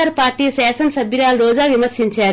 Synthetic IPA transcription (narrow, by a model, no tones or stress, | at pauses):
ɐɾɐpaːɾʈiːsɛːsɐnsɐbʱiɾaːlɾɔːd͡ʒaːʋimɐɾsiɲt͡ʃaː